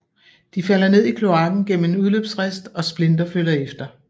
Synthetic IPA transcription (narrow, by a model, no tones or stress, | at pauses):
d̥ifæl̰ɐne̝ð̰ˠikʰlo̝ɑ̈ɡ̥n̩ɡ̥en̰m̩e̝nuðˠløːb̥sʁesd̥ɒ̽sb̥le̝nd̥ɐfølɐefd̥ɐ